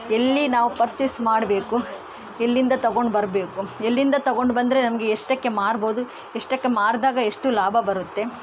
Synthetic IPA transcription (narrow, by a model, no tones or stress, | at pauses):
elːinaːʋupɐɾt͡ʃismaːɽbe̞ːku | elːind̪ɐt̪ɐɡo̞ɳɖbɐɾbe̞ːkuelːind̪ɐt̪ɐɡo̞ɳɖbɐnd̪ɐɾenɐmɐɡeːʂʈɐkːe̞maːɾbo̞ːd̪u | eʂʈɐkːe̞maːɾd̪aːɡɐeʂʈulaːbʱɐbɐɾut̪ːe̞